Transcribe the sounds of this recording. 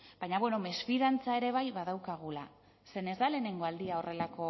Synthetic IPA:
b̥ajɲaβwe̞no̞me̞sfiðant͡sae̞ɾe̞β̞ajβaðawkaɣ̞ula | se̞ne̞zd̪ale̞ːne̞ŋɡo̞ald̪iao̞rʔe̞lako̞

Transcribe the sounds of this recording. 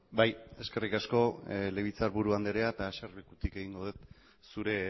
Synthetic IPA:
baje̞ske̞rikasko̞le̞βit͡saɾβuɾuand̪eɾeat̪aʃarβikut̪ike̞ɣ̞iŋɡo̞ðet̪ | suɾe̞

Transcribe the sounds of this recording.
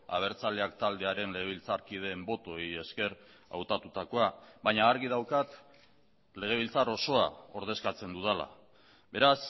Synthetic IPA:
a̰β̞e̞ɾt͡sale̞akt̪ald̪e̞aɾe̞nle̞ɣ̞e̞β̞ilt͡saɾkið̞e̞ːmbo̞t̪o̞je̞ske̞ɾ | a̰wt̪at̪ut̪ako̞aβaɲaːɾɣiðawkat̪ | le̞ɣ̞e̞β̞ilt͡saɾo̞so̞ao̞ɾð̞e̞skat͡se̞nd̪uðela̰ | βe̞ɾas

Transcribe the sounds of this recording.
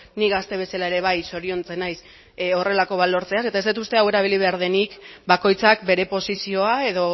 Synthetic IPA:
niɣast̪e̞β̞e̞salae̞ɾe̞β̞ajso̞ɾio̞nt͡se̞najs | o̞re̞lako̞βalo̞ɾt͡se̞as̬e̞t̪ae̞zd̪it̪ust̪e̞awe̞ɾaβiliβ̞e̞aɾðe̞nikbako̞jt͡sak̚be̞ɾe̞po̞sisio̞ae̞ðo̞

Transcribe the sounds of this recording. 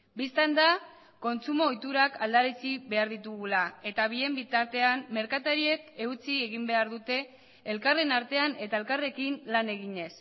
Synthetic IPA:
bist̪and̪a | ko̞nt͡sumo̞ːjt̪uɾakald̪aɾit͡siβe̞aɾðit̪uɣulae̞t̪aβie̞mbit̪aɾt̪e̞amːe̞ɾkat̪aɾie̞ke̞ut͡sieɣimbe̞aɾðut̪e̞ː | lkare̞naɾt̪e̞ane̞t̪aelkare̞kinlane̞ɣ̞iɲe̞s

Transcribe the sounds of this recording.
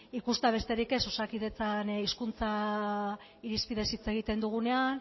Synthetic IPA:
ikust̪aβe̞st̪e̞ɾike̞sosakiðe̞t͡saniskunt͡sa | iɾispiðe̞sit͡se̞ɣ̞it̪e̞nd̪uɣ̞une̞an

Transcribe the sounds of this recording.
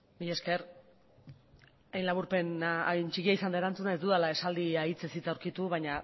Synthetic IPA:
bije̞ske̞ɾ | ajnlaβuɾpe̞nant͡ʃikiaisand̪aeɾant͡sunae̞zd̪uðalae̞sald̪iait͡sesit͡s̪auwɾkit̪uβajɲa

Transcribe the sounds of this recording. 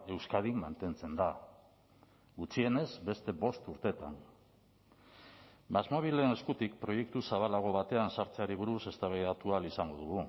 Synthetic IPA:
e̞wskað̞imːant̪e̞nt͡se̞nd̪a | ɡut͡sie̞ne̞zbe̞st̪e̞βo̞st̪uɾt̪e̞t̪an | mazmoβ̞ile̞neskut̪ik̚pɾo̞je̞k̚t̪usaβalaɣo̞βat̪e̞ansaɾt͡se̞aɾiβ̞uɾuse̞st̪aβajðat̪ualisaŋɡo̞ðuɣu

